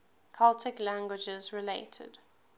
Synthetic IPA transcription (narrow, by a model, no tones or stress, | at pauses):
kʰaltʰɪklæ̃ŋɡwɪd͡ʒəzɹɪleɪtʰə̰d̥